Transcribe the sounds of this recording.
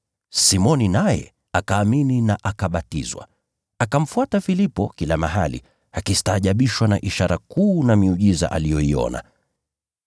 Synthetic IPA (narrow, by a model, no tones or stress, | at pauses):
simɔninajɛ̰ | akaːmininaʔakaɓatḭzwa̰ | akam̩fuatafilipɔkilamaɦa̰lḭ | akistaːʄaɓiʃwanaʔiʃaɾakuːnamiuʄiza̰ʔalijɔiɔ̰na̰